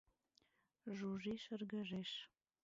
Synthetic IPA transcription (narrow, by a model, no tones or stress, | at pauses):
ʒuʒiʃərɡəʒeʃ